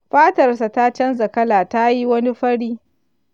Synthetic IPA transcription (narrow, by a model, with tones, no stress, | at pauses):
ɸaː˦tɐ˨rsa˨ta˦t͡ʃɐ˦nzɐ˨kɐ˦laː˨ta˦ji˦wɐ˦ni˦ɸɐ˦ɽiː˦